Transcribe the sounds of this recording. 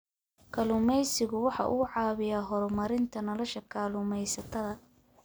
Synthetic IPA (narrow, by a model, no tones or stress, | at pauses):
kʰɐlʊmɛjsɪɣʊwɑħɑ̰ʔʊ̰ːʕɑːβɪjaːɦɔɾmɐɾɪnt̪ʰɐnɔlɔʃɐkʰaːlʊmɛjsɐt̪ʰɐðɐ